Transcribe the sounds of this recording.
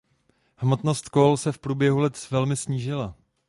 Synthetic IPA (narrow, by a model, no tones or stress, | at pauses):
hmo̞t̪no̞st̪kolsɛfpɾuːbjɛɦulɛt̪vɛlmɪsɲiːʒɪla